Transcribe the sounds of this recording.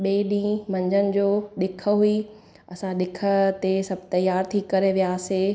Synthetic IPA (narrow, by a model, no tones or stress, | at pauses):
ɓeːɗĩːmɐ̃ɲd͡ʑənɪ̆d͡ʑoːɗɪkʰə̆ɦui | ɐsãɗɪkʰə̆t̪esɐbʱt̪ɐjaːɾt̪ʰikɐɾeʋijaːse